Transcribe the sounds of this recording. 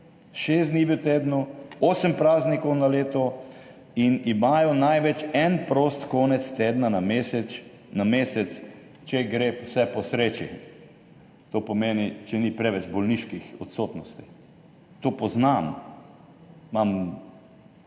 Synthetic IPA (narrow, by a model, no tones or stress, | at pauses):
ʃeːs̬d̪nibiwt̪eːd̪nɔoːsəmpɾaːznikɔwnaleːt̪ɔ | inimaːjɔnajʋɛt͡ʃɛnpɾoːst̪koːnɛt̪st̪eːd̪nanamesɛt͡ʃ | nameːsɛt̪s | t͡ʃɛɡɾeposɛpɔsɾeːt͡ʃi | t̪opɔmeːnit͡ʃɛnipɾɛʋɛt͡ʃbɔlniʃkixɔ̰t̪soːt̪nɔst̪i̥ | t̪oːpɔznam | mam